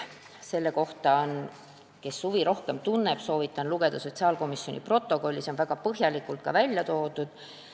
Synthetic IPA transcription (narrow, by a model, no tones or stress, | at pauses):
se̞lːe̞ko̞ht̪ɑon | ke̞sːuviɾo̞hke̞mt̪unːeb̥so̞ːvit̪ːˑɑnluɡ̥e̞d̪̥ɑso̞tʲsiɑːlko̞misjo̞nʲḭpro̞t̪ːˑo̞ko̞lʲːiseo̞nvæɡ̥ɑpɤɦjɑlʲikˑult̪̚kɑvælʲjɑt̪o̞ːd̪̥ud̪̥